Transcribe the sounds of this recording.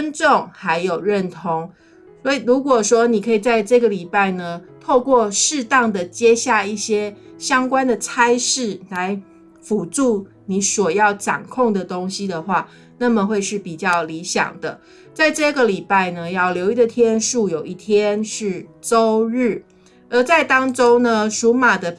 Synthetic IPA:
ə˥nʈ͡ʂo˥˨ŋxa˧˥ɪjo˨˩ʊɻə˥˨nt̪ʰo˧˥ŋ | swɔ˧˥i˨˩ɻu˧˥kwɔ˨˩ʂwɔ˥ni˨˩kʰɤ˧˥i˨˩t͡sa˥˧ɪʈ͡ʂɤ˥˩ɡə˩li˨˩pa˥˩ɪnə˩t̪ʰo˥˧ʊkwɔ˥˧ʂɻ̩˥˧t̪ɑ˥˩ŋd̪ə˨˩t͡ɕjɛ˥ɕja˥˧i˥˩ɕjɛ˥ɕjɑ˥ŋkwa˥nd̪ə˨˩t͡sʰa˥ɪʂɻ̩˥˩la˧˦ɪ | fu˨˩ʈ͡ʂu˥˩ | ni˧˥swɔ˨˩jɑ˥˩ʊʈ͡ʂa̰˨˩ŋkʰo˥˩ŋd̪ə˩t̪o˥ŋɕi˦d̪ə˨xwa˥˩ | na˥˩mə˨xwe˥˧ɪʂɻ̩˥˩pi˨˩t͡ɕjɑ˥˩ʊli˧˥ɕjɑ̰˨˩ŋd̪ə˦ | t͡sa˥˧ɪʈ͡ʂɤ˥˧ɡə˨li˨˩pa˥˩ɪnə˨jɑ˥˩ʊljo˧˥ʊi˥˩d̪ə˨˩t̪ʰjɛ˥nʂu˥˩jo˨˩ʊi˥˩t̪ʰjɛ˦nʂɻ̩˥˩ʈ͡ʂo˥ʊɻ̩˥˩ | ə˧˥t͡sa˥˩ɪt̪ɑ˥ŋʈ͡ʂo˥ʊnə˧ʂu˧˥ma˨˩d̪ə˦

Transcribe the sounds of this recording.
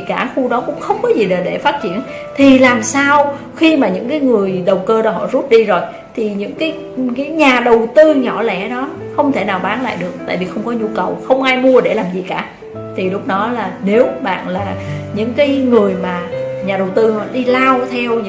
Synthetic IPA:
kaː˧˩xu˧ɗɔ˨˦kʊ̰˧˥ŋ͡mxə˧wŋ͡mkɔ˨˦zi˨˩ɗə˨˩ɗe˧˩faː˦˥t̚t͡ɕḭ˧˩˨ən | t̪ʰi˨˩laː˨˩msaː˧w | xi˧maː˨˩ɲɨ̰˧˥ŋkaː˨˦jŋɨ˨˩əjɗə˨˩wkəː˧ɗɔ˨˦ɦɔ̰˧˨zu˦˥p̚ɗi˧zo˨˩j | t̪ʰi˨˩ɲɨ̰˧˥ŋkaː˨˦j | kaː˨˦jɲaː˨˩ɗə˨˩wt̪ɨ˧ɲɔ˧˩lɛ˧˩ɗɔ˨˦ | xə˧wŋ͡mt̪ʰe˧˩naː˨˩wɓaː˨˦nla̰ː˧˨jɗɨ˨˩ək̚t̪a̰ː˧˨jvi˨˩xə˧wŋ͡mkɔ˨˦ɲu˧kə˨˩wxə˧wŋ͡mʔaː˧jmu˧əɗe˧˩laː˨˩mzi˨˩kaː˧˩ | t̪ʰi˨˩lʊ˦˥k͡p̚ɗɔ˨˦laː˨˩ne˨˦wɓa̰ː˧˨nlaː˨˩ɲɨ̰˧˥ŋkaː˨˦jŋɨ˨˩əjmaː˨˩ɲaː˨˩ɗə˨˩wt̪ɨ˧hɔ̰˧˨ɗi˧laː˧wt̪ʰɛ˧wɲ˧˥

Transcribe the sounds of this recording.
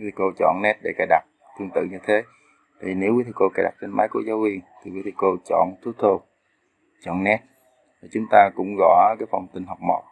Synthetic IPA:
i˦t̪ʰko˧t͡ɕɔ̰˧˨nnɛ˦˥t̚ɗḛ˧˩ka˨˧˩jɗa˨˩k͡p̚ | t̪ʰɨ˧əŋt̪ɨ̰˧˨ɲɨ˧t̪ʰe˨˦ | t̪a̰ː˧˨jvi˨ne˨˦wi˨˦t̪ʰɨ˧˩ko˧kaː˧˨˩jɗa˨˩k͡p̚t͡ɕe˧nmaː˨˦jku˧˩əzaː˨˦wvi˧ənt̪ʰi˨˩wi˨˦t̪ʰɨ˧˩ko˧t͡ɕɔ̰˧˨nt̪ʰu˨˦t̪ʰo˧ | t͡ɕɔ̰˧˨nnɛ˦˥t̚ | vaː˨˩t͡ɕʊ˨˦ŋ͡mt̪aː˧kʊ̰˧˥ŋ͡mɣɔ̰˧˨kaː˨˦jfa˧wŋ͡mt̪ï˨˩ŋ̟ɦa˨˩wk͡p̚mo̰˨˩t̚

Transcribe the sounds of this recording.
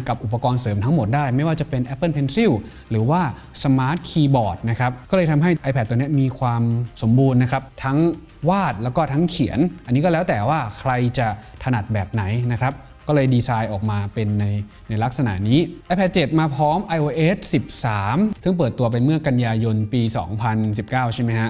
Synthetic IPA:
ka˨˩p̚ʔu˨˩p̬ːa˧kɔː˧nsɤː˩˦mt̪ʰa˦˥ŋmo˨˩t̪̚daː˥˩jma˥˩jwaː˥˩t͡ɕa˨˩pe˧nʔɛ˦˥pːɤ˥˩˨npʰe˧nsi˥˩w | ɾɯː˩˦waː˥˩ | sa˧maː˦˥t̪̚kʰiː˧bɔː˨˩t̪̚na˦˥kʰɾa˦˥p̚kɔː˥˩lɤː˧jt̪ʰa˧mɦa˥˩jʔa˧jpʰɛ˧˩t̪̚ːu˧ni˦˥ɐmiː˧kʰwaː˧mso˩˦mbuː˧nːa˦˥kʰɾa˦˥p̚t̪ʰa˦˥ŋ | waː˥˩t̪̚lɛ˦˥wkɔː˥˩t̪ʰa˦˥ŋkʰi˩˦ənʔa˧nːiː˦˥kɔ˥lɛː˦˥wt̪ɛː˨˩waː˥˩kʰɾa˧jt͡ɕa˨˩t̪ʰa˧na˨˩t̪̚bɛː˨˩p̚na˩˦jna˦˥kʰɾa˦˥p̚ | kɔː˥˩lɤː˧jdiː˧saː˧jʔɔː˨˩k̚maː˧pe˧nːa˧j | na˧jla˦˥k̚sa˧na̰˩˦ʔniː˦˥ʔɛ˧˥jpʰɛ˧˩t̪̚t͡ɕe˨˩t̪̚maː˧pʰɔː˦˥mʔa˧jʔoː˧ʔeː˦˥t̪̚si˨˩p̚saː˩˦msɯ˥˩ŋp̬ɤː˨˩t̪ːu˧ɐp̬a˧jmɯ˥˩ɐka˧njaː˧jo˧npiː˧sɔ̰ː˩˦ŋpʰa˧nsi˨˩p̚kaː˥˩wt͡ɕʰa˥˩ma˦˥jkʰa˦˥ʔ

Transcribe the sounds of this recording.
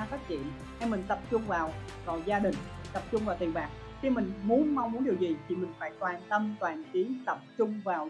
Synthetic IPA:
faː˦˥k̚t͡ɕḭ˧˨ən | ha˧jmï˨˩ŋ̟t̪ə˨˩p̚t͡ɕʊ˧ŋ͡mvaː˨˩w | vaː˨˩wzaː˧ɗï˨˩ŋ̟t̪ə˨˩p̚t͡ɕʊ˧ŋ͡mvaː˨˩wt̪i˨˩ənɓaː˨˩k̚ | xi˧mï˨˩ŋ̟mu˨˦ənma˧wŋ͡mmu˨˦ənɗi˨˩əzi˨˩t̪ʰi˨˩mï˨˩ŋ̟fa̰ː˧˥jkwaː˨˩nt̪ə˧mt̪waː˨˩nt͡ɕi˨˦t̪ə˨˩p̚t͡ɕʊ˧ŋ͡mvaː˨˩w

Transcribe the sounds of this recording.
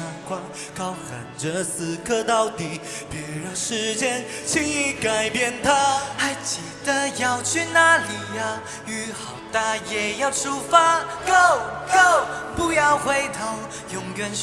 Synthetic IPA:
a˧˥ŋkwa˧˥n | kɑ˥ʊxə˨˩nʈ͡ʂə˧˦sɹ̩˨˥kʰɤ˥˧t̪ɑ˥˧˩ʊt̪i˨˩ | pjɛ˧˥˩ɻə˧˩nʂɻ̩˥˧˥t͡ɕjɛ˥n | t͡ɕʰi˧˥i˧˩ka˨˩ɪpjɛ˥˧nt̪ʰa˦xa˧˥ɪt͡ɕi˨˩d̪ə˧jɑ˥˧ʊt͡ɕʰy˥˧na˥˩li˨˩a˧ | y˧˥xɑ˨˩ʊt̪a˥˧jɛ˨˩jɑ˥˧ʊʈ͡ʂʰu˥fa˥ko˥˩ʊko˥˩ʊpu˧jɑ˥˧ʊxwe˧˥ɪt̪ʰo˧˥ʊ | jʊ˧ŋkɛ˧n

